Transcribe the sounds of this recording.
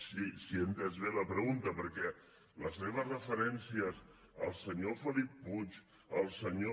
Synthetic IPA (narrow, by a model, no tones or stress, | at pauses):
sisient̪əzβeləpɾəɣunt̪əpəɾkɛ | ləsːeβ̞əsrəfəɾɛnsiəs | əlˠsəɲofəlipːut͡ʃ | əlˠsəɲo